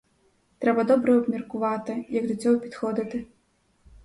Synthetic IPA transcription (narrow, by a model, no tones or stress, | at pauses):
t̪ɾɛbɐd̪ɔbɾɐɐbmʲɛrkuvat̪ɨjɐɡd̪ut͡sʲɔwpʲit̪xɔd̪ɐt̪ɨ